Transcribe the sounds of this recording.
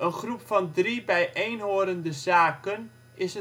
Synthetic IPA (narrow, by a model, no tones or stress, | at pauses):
ənχrupfɔndribɛjʔejnɦoːɾəndəzaːkən | ɪsə